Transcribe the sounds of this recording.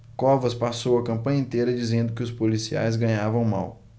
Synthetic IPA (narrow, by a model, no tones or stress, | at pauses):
kɔvɐspasowɐkɐ̃mpɐ̃ɲɐẽnt̪ejɾɐd͡ʒizẽnd̪ʊkɪʊspolisia̰jzɡɐ̃ɲavɐ̃w̃ma̰w